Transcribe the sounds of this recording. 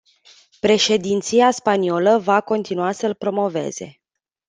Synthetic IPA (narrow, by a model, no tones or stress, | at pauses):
pɾe̞ʃe̞d̪int̪siaspanio̞ləvako̞nt̪inuasəlpɾo̞mo̞ve̞̰z̥e̞